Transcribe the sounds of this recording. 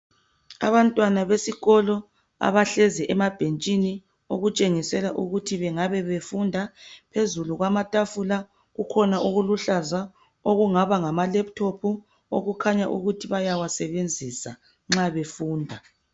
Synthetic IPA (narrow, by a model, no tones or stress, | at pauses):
a̰βantʼwanaβesiɣɔlɔ | a̰βaɬɛzɛʔɛmab̥ʱent͡ʃʼini | oɣut͡ʃʼeŋisɛlaʔuɣutʰiβɛŋaβɛβefundʱapʰezuluɣwamatʼafula | ɣukʰɔnaʔuɣuluɬaza | oɣuŋaβaŋamalɛp̚tʰopʰu | o̰ɣukʰaɲaʔuɣutʰiβajawasɛβend͡zʱisa | ŋ͡ǁaβefuːndʱa